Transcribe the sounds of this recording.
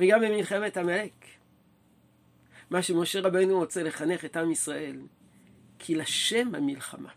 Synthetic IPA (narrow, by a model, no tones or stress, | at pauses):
veɡamemilχe̞methamelek | maʃemo̞ʃe̞ʁabejnuʁo̞t͡se̞le̞χane̞χetamisʁaʔe̞l | kʰilaʃe̞mha̰milχa̰mʔa̰